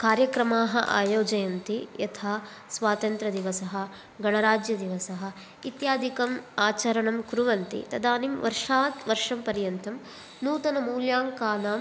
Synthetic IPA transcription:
kaːɾjɐkɾɐmaːɦɐʔa̰ːjoːd͡ʒɐjɐnt̪ijɐt̪ʰaː | sʋaːt̪ɐnt̪ɾɐd̪iʋɐsɐɦɐ̆ | ɡɐɳɐɾaːd͡ʒjɐd̪iʋɐsɐɦɐ̆ | it̪jaːd̪ʱikɐmaːt͡ʃɐɾɐɳɐmkɾuʋɐnt̪ḭt̪ɐd̪aːnimʋɐɾʂaːt̪ʋɐɾʂɐmpɐɾjɐnt̪ʰɐm | nuːt̪ɐnɐmuːljaːŋkaːnaːm

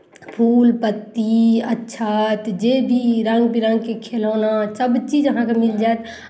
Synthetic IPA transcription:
pʰuːlpət̪ːiətːʃʰat̪d͡ʒebʱiɾə̃ŋɡbʱiɾə̃ŋɡkekʰeloːnasəbt͡ʃid͡ʒəɦãkemild͡ʒaet̪

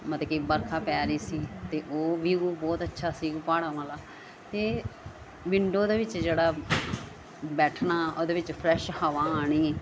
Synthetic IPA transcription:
mət̪kiːbəɾkʰaːpɛːɾiːsiːt̪eːʔoːʋiːoːbɔːt̪ətːʃʰaːsiːɡpaːɽãːʋaːlaː | t̪eː | ʋɪɳɖoːd̪eːʋɪt͡ʃd͡ʒeːɽaː | bɛːʈʰnaːʔoːd̪eːʋɪt͡ʃpʰɾɛːʃhəːʋãːaːɽiːɛː

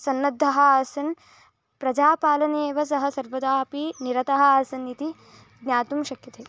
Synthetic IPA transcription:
sɐnːɐd̪ʱːɐɦɐaːsɐn | pɾɐd͡ʒaːpaːlɐneːʋɐsɐɦɐsɐɾʋɐd̪aːpiniɾɐt̪ɐɦɐaːsɐnit̪i | ɡnʲjaːt̪umʃɐkjɐt̪eː

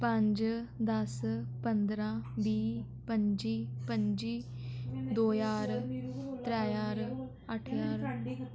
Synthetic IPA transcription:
pə̃ɲd͡ʒd̪əspənd̪ɾãːbiː | pəɲd͡ʒiːpəɲd͡ʒiː | d̪oːjaːɾt̪ɾɛːjaːɾ | əʈʰjaːɾ

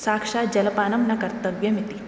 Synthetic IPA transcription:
saːkʂaːd͡ʒɐlɐpaːnɐmnɐkɐɾt̪ɐʋjɐmit̪i

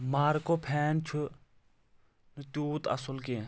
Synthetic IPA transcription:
maːɾkopʰɛːnt͡ʃʰu | nɨt̪uːt̪ɐ̰sʊlkẽ

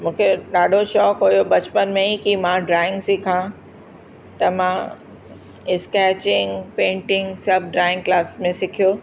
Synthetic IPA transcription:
mũːkʰeɗaːɖʱoʃɔːkɦojoɓɐt͡ɕpənmẽikimãɖɾaːɪ̃ŋɡsɪkʰã | t̪ɐmã | ɪskɛːt͡ɕɪ̃ŋɡpẽːɳʈɪ̃ŋɡsɐb̚ʱɖɾaːɪ̃ŋɡklaːsmẽsɪkʰijoː

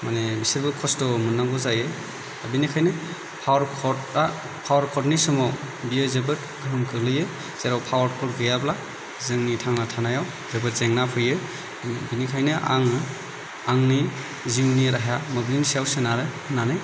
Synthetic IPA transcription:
manebiseɾbɯkʰɔstɔmunːaŋɡɔzajɯ | abinikʰajnɯ | pʰawɾkʰɔta | pʰawaɾkʰɔtnisɔmɔ | bijɯzebɯt | ɡɯɾumkʰɯlɯjɯ | z̥eɾawpʰawaɾkʰɔt̚ɡɯjabla | zɯŋnitʰaŋnatʰanajaw | zebɯt̚zeŋnapʰɯjɯ | binikʰajnɯʔaŋɯ | aŋni | ziwniɾaɦjamɔblinsijawsɯnaɾɯ | nanɯj

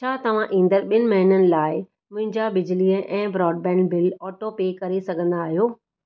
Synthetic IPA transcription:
t͡ɕʰaːt̪ɐʋ̤ãʔĩːnd̪əɾɓiɪnɪ̆mɐɦinənɪ̆laːɪ | mʊ̃ɦɪ̃ɲd͡ʑabɪd͡ʑɪliəʔɛ̃ːbɾɔːɖ̚bɛ̃ːnbɪlɔːʈopeːkɐɾesɐɡʱə̃nd̪aːɦijoː

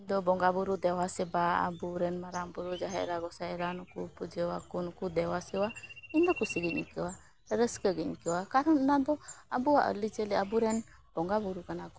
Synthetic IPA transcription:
iɲd̪ɔbɔŋɡabuɾud̪ɛwasɛbaa̰buɾɛnmaɾaŋbuɾud͡ʒaɦɛ̰ʔɾaɡɔsaɛɾanukupud͡ʒɛwakunkud̪ɛwasɛwaiɲd̪ɔkusiɡiɲkɛwa | ɾəskəɡiɲkɛwakaɾɔnnad̪ɔabuaʔə̰lid͡ʒəlɛabuɾɛn | b̥ɔŋɡabuɾukanakɔ

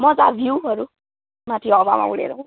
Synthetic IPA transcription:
mʌd͡za̰bʱjiwɦʌɾu | mat̪ʰiʌba̰ma̰ṵɽḛɾʌ̃

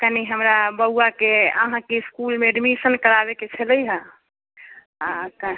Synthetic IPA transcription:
kəniɦəmɾabəuakeə̰ɦãkeskulmeɖmisənkəɾabeket͡ʃʰələjɦə̃ | aka

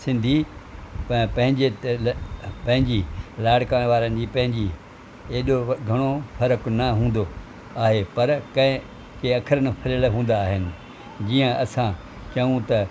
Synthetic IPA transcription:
sɪ̃nd̪ʱippɐ̃ɦɪ̃ɲd͡ʑe | pɐ̃ɦɪ̃ɲd͡ʑilaːɽkaːɽ̃ʋaːɾənɪ̆d͡ʑiːpɐ̃ɦɪ̃ɲd͡ʑi | eːɗoɡʱɐɽ̃ofɐɾəknɐɦũːn̆d̪o | aːɦepɐɾkɐ̃ɪ̃ | keɐkʰəɾənɪ̆pʰɐɾəlɦũːn̆d̪aːɦɪnɪ̆ | d͡ʑiːə̃ʔɐsã | t͡ɕɐʋũt̪ɐ

